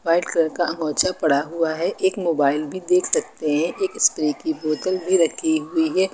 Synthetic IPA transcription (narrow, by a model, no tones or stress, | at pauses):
ʋaːɪɖkɾəɾkaʔɐŋɔːt͡ʃapɐɽaɦuaɦɛʔeːkmoːbaːɪlbʱid̪eːkʰsɐk̚t̪eɦɛ̃ʔeːkɪskɾikiboːt̪əlbʱiɾɐkʰiɦʊiɦɛː